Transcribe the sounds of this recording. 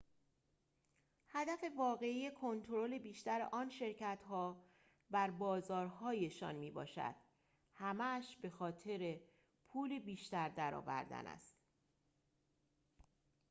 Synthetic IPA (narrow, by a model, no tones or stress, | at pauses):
hæd̪æfe̞vɒːɣe̞ije̞kʰo̞nt̪ʰoɾo̞le̞biːʃt̪æɾḛʔɒːnʃe̞ɾcʰæt̪ɦɒː | bæɾbɒːzɒːɾɦɒːje̞ʃɒ̰ːnmiːbɒ̰ːʃæ̰d̪̥ | hæmæʃbe̞xɒːt̪ʰe̞ɾe | pʰuːlebiːʃt̪æɾd̪æɾɒ̰ːvæ̰ɾd̪æ̰næ̰st̪